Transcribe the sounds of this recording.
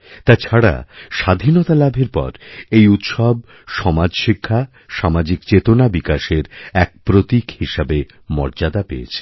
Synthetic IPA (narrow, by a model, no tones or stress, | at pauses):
t̪at͡ɕʰaɽa̰ʃad̪ʱinot̪alabʱeɾpɔ̰ɾejut̪ʃɔb̚ | ʃɔmad͡ʑʃikʰːa | ʃamad͡ʑikt͡ɕet̪onabikaʃeɾɛk̚pɾot̪ikhiʃabe | mɔ̰ɾd͡ʑad̪apḛḛt͡ɕʰe̥